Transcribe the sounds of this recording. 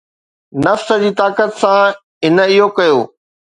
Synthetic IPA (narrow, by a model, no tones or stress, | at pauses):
nɐfsə̆d͡ʑiːt̪aːkət̪sã | ɪnə̆iɦokɐjoː